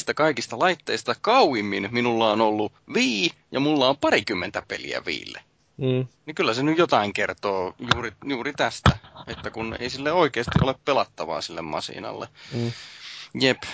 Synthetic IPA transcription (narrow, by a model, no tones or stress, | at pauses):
st̪ækɑikist̪ɑlɑit̪ːeist̪ɑkɑuimːinminulːɑonolːuʋiː | jɑmulːɑompɑrikymːent̪æpelḭæ̰ʋḭːlːḛ | nikylːæsenyjjot̪ɑiŋkert̪oːjuːrijuːrit̪æst̪æet̪ːækunḛisilːeoikeːst̪iʔoleppelɑt̪ːɑʋɑ̰ːsilːḛmmɑ̰sḭnɑ̰lːḛ | jep